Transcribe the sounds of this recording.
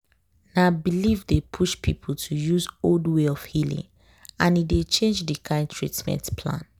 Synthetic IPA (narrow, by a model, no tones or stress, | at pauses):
nabilivdepʰuʃpʰipʰl̩ˠtʰujuzoldweɔfhilḭ̃ŋ | ãnidet͡ʃẽnd͡ʒdikʰãɪ̃ntʰɹḭtmɛ̰̃ntpʰlã̰n